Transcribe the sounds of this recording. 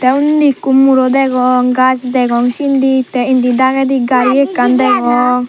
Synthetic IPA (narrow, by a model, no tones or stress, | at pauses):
t̪ɛund̪ikumuɾɔd̪ɛɡɔŋɡad͡ʒd̪ɛɡɔŋʃind̪it̪ɛind̪id̪aɡɛd̪iɡaɾiɛkːand̪ɛɡɔ